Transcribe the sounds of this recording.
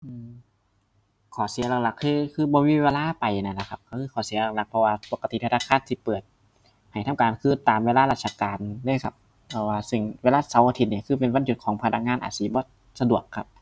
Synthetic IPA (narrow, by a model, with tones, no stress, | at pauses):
ʔɯː˧ | kʰɔː˨˩si˨˦ɐla˧˩k̚la˧˩kʰːɯː˧˩kʰɯː˧˩bɔː˧miː˧˥˨weː˧laː˧˥˨pa˨jna˧˩˨la˧˩kʰa˧p̚kʰa˧˩kʰɯː˧kʰɔː˨˩˦si˨˦ɐla˧˩k̚la˧˩k̚pʰɔ˧waː˧po˨˩ka˧t̪i˨˧˦pʰːtʰa˧kʰaː˧˥˨nt̪ʰiː˧˩pɤː˨˩t̪̚ | ha˨˩jt̪ʰa˧˥˨mkaː˨˩nkʰɯː˧˥˨t̪aː˨mweː˧laː˧laː˧t̪̚sa˧kaː˨nlɯː˧˥˨jkʰa˧p̚ːʰɔ˧waː˧sɯ˧˩ŋweː˧laː˧˥˩sa˨˦wʔaː˧t̪ʰi˧˩ni˧˨kʰɯː˧˩p̬e˨nwa˧˥˨nju˨˩t̪̚kʰɔː˨˦ŋpʰa˧na˧˥ŋaː˧˥˨nʔa̰ː˨˩siː˨˦bɔː˧˦ | sa˧du˨˩əkʰːa˧p̚